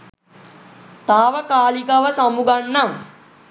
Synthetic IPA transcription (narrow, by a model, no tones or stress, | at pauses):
t̪aːʋəkaːlikɐʋəsɐmuɡanːam